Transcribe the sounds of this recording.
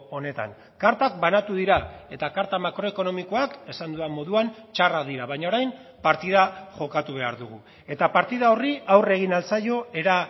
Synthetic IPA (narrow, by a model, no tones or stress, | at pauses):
o̞ne̞t̪a̰ŋ | kaɾt̪ak̚banat̪uðiɾae̞t̪akaɾt̪amakɾo̞e̞ko̞no̞miko̞ake̞sand̪uðamo̞ðuant͡ʃarakd̪iɾaβajɲaoɾajm | paɾt̪iðaʝo̞kat̪uβ̞e̞aɾðuɣ̞u | e̞t̪apaɾt̪iðao̞riawre̞ɣ̞inalt͡sajo̞e̞ɾa